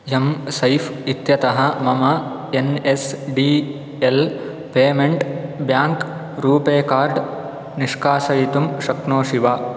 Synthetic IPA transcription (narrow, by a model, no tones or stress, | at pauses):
jɐmsɐjfit̪jɐt̪ɐɦɐmɐmɐ | enesɖiː | el | peːmeɳʈbjaːŋk | ɾuːpeːkaːɾɖ | niʂkaːsɐjit̪umʃɐknoːʃiʋaː